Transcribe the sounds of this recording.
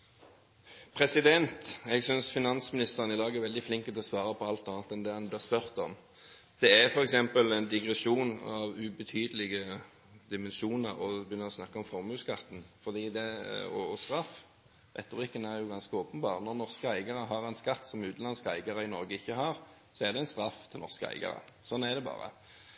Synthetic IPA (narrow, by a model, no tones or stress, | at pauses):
pʰɾɛsɪd̪ɛnt̪ɛɡsʏnsfɪnɑnsmɪnɪst̪əʁənɪd̪ɑːɡæɾʋɛld̪ɪflɪŋkət̪ʰɛlɔsʋɑːɾəpʰɔɑlt̪ɑːnət̪ɛnd̪ɛhɑnblɪʁspœɾt̪ɔm | d̪̥ɛæfɔɾɛksɛmpəlɛnd̪ɪɡɾɛsuːnɑʋʉbət̪ʰyːd̪əlɪɡə | d̪ɪmɛnʃuːnəɾɔbəjʏnːəʁɔsnɑkːəɔmfɔʁmʉːskɑt̪ːn̩fɔd̪iːd̪ɛɔɔst̪ɾɑfː | ɾɛ̰t̪ːʊɾɪkːənæɾjʊɡɑnskəoːpənbɑ̰ːʁnɔʁnɔʁskəæɪɡɑɾəɦɑɾɛnskɑt̪ːsɔmʉːt̪n̩lɑnskæɪɡɑɾəɪnɔɾɡəɪçːəɦɑɾ | sɔæʁd̪ɛɛnst̪ɾɑft̪ʰɪlnɔ̰ʁskəæ̰ɪɡɑ̰ɾə̰sɔnːæʁd̪ɛbɑ̰ːɾə̰